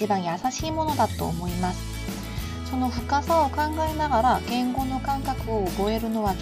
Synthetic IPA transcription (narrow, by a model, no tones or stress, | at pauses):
ibãɰ̃jasaɕiːmo̞no̞d̪at̪o̞̰ːmo̞imasɨ̥ | so̞no̞ɸɯ̟kasao̞kãŋɡaenaɡaɾaɡ̥ẽ̞ŋɡo̞no̞kãŋkakɯ̟oːbo̞e̞ɾɯ̟no̞βa